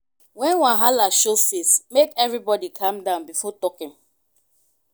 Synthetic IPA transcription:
wɛ̃nwãɦalaʃosismekɛvɹibɔdikʰãmdãʊ̃nbifɔtɔkĩm

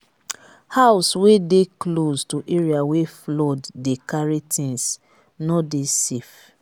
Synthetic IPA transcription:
haʊswedekloztuʔeɹiaweflɔdːekaɹitʰĩns | nɔdesef

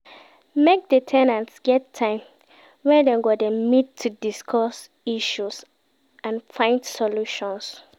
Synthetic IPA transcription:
mek̚detʰɛnãntsɡ̥ɛtʰːãɪ̃m | wɛ̃ndeɡodɛmidtʰudiskʰɔs | iʃus | ãnfãɪ̃ndsɔluʃɔ̃ns

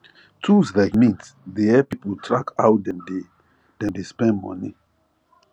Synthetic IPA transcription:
tʰuzvɛɡmĩnts | deɛpipəltʰɹakʰawt̚dɛ̃nde | dɛ̃ndespɛ̃ndmɔ̰ni

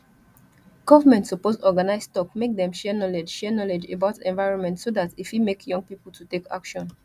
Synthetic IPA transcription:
ɡ̥ɔvəmɛ̃ntːupozɔɡanaɪzstɔkmek̚dɛ̃mʃɛnɔled͡ʒʃɛnɔled͡ʒḛbaʊtɛ̃nvaɪɹɔ̃nmɛ̃ntsoðatifhimekjɔ̃ŋɡ̚pipəl̩ˠtʰuteka̰kʃɔ̃n

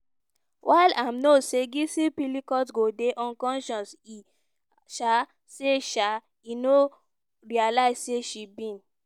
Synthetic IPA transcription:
wʔaɪlamnoseɡisipilikɔtɡodeʔɔ̃nkɔ̃nʃɔ̃nsi | ʃa | seʃa | ino | ɹialaɪzseʃibĩn

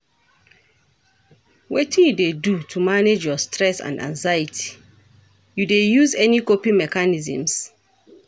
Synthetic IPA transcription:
wetĩnjudedutʰumaned͡ʒjɔstʰɹɛsã̰ndã̰ŋzaitʰi̥ | judejuzɛnikopimɛkanizḭ̃ms

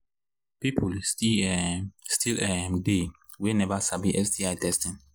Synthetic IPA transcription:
pipʰulsti | stʰilɛ̃mde | winɛvasabiʔɛsdiaɪdɛstĩn

